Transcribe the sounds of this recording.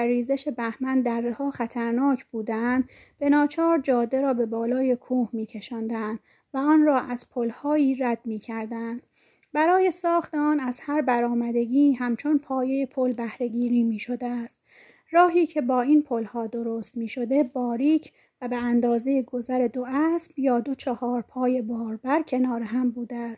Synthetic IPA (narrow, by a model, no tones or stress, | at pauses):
æːiːze̞ʃe̞bæhmænd̪d̪ærːehɒːxæt̪ʰæɾnɒːcʰb̥uːd̪ænd̪ | b̥e̞nɒːt͡ʃʰɒːɾd͡ʒɒːd̪ːe̞ɾɒːbe̞bɒːlɒːjekʰuːhmiːcʰe̞ʃɒːnd̪ænd̪ | væɒːnrɒːʔæz̥pʰolhɒːiːɾæd̪̥miːcʰæɾd̪ænd̪̥ | bæɾɒːje̞sɒːxt̪eɒːnæz̥hæɾbæɾɒːmæd̪e̞ɡiːɦæmt͡ʃʰo̞npʰɒːje̞jepʰolbæhɾe̞ɡiːɾiːmiːʃo̞d̪eæst̪ | rɒːɦiːcʰe̞bɒːinpʰolhɒːd̪o̞ɾost̪miːʃo̞d̪e̞bɒːɾiːcʰ | væbeænd̪ɒːze̞jeɡo̞zæɾe̞d̪oæsb̥jɒːd̪o̞t͡ʃʰɒhɒːɾpʰɒːje̞bɒːɾbæɾcʰe̞nɒːɾeɦæmbuːd̪eæs